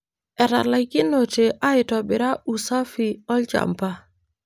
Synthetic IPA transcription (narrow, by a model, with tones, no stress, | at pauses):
ɛ˨ɾa̰˨la˨ki˦no˨te˨ʔa˦ɪ˨tɔ˨bɪ˨ɾa˦u˨sa˦fi˨ɔ˦ld͡ʒa̰˨mpa˦